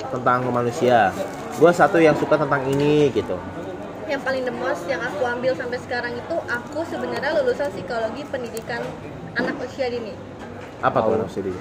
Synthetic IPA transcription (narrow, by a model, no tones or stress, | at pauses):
t̪ənt̪aŋmanusia | ɡuasat̪ujaŋsukat̪ənt̪aŋiniɡit̪u | jaŋpalɪŋdəmɔsjaŋakuambɪlsampɛjsə̥kaɾaŋit̪uʔakusəbənərɲalulusansikoloɡipəndidikan | anakosiadinɪ | ʔapatnsdi